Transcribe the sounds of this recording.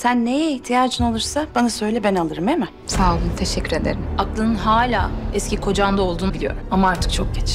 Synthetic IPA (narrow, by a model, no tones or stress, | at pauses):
sænːejɛiçt̪ʰijaːd͡ʒɯnalˠɯɾsab̥anasø̞jlʲɛbɛnalˠɯɾɯmɛmɛ | saɯt̪ʰeʃɛcːyɾed̪ḛɾimaklˠɯnɯnɦaːlʲaːɛscikʰo̞d͡ʒand̪ao̞lˠd̪uːnbilʲijo̞̰ɾumamaaɾt̪ʰɯ̥k̚t͡ʃʰo̞k̚ɟʲɛt͡ʃ